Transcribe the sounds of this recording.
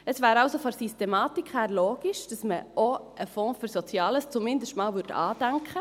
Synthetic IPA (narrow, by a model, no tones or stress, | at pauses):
əsvæːɾɑʊsofɔsistemɑːtikχhæːɾloːɡ̥iʃd̥ɑsməʔoəfɔ̃ːfyɾsɔt͡sjɑːləst͡sumɪndəʃtmɑːlʋʏɾtɑ̰ːd̥æŋkχə